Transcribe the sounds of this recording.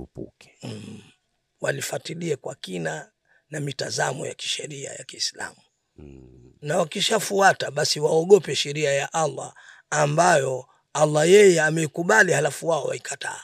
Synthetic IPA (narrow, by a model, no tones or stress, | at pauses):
upṵkɛ̥ | walifatiliakwa̰kina | namitazamɔ̰ja̰ki̥ʃɛɾia̰jakiːsla̰mu | nawakiʃafuataɓasiwaɔɠɔpɛʃɛɾiajaʔalːaː | mbajɔ | alːajɛjɛamɛikuɓalihalafuwaɔwa̰ikʰatʰa̰ː